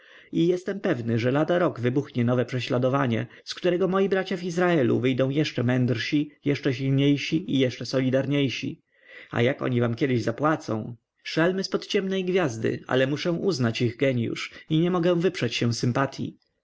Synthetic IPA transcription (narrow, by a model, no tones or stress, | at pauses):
ijɛst̪ɛmpɛvnɘʐɛlad̪aɾɔɡvɘbuxɲɛnɔvɛpʂɛɕlad̪ɔvaɲɛ̰ | skt̪uɾɛɡɔmɔjibɾat͡ɕavizɾaɛlṵvɘjd̪ɔ̃w̃jɛʂt͡ʂɛmɛnd̪ɾɕijɛʂt͡ʂɛɕilɲejɕiijɛʂt͡ʂɛsɔlʲid̪aɾɲejɕḭ | a̰jakɔ̰ɲivamkʲɛd̪ɪʑzapwat̪sɔ̰̃w̃ | ʂalmɘspɔt̪t͡ɕɛmnɛjɡvʲjazd̪ɘ̰a̰lɛmuʂɛ̃w̃ʔuznat͡ɕiɣɡɛɲjṵʂiɲɛmɔɡɛ̃w̃vɘpʂɛt͡ɕɕɛw̃sɘmpat̪ʰʲjḭ